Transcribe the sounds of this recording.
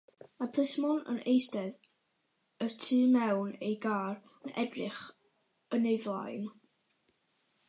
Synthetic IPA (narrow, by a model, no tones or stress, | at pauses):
mapʰl̥ˠɪsmɔnə̰nʔejsdɛð | ətʰɨːmɛwnejɡaːr | ənʔɛdrɪχ | ənejvlˠa̰jn